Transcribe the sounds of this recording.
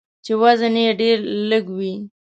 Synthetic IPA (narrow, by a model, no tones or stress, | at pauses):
t͡ʃewazaneɖeɾləɡwi